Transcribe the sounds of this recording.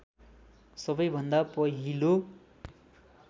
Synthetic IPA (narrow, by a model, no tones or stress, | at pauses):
sʌbʌjbʱʌnd̪apʌɦilo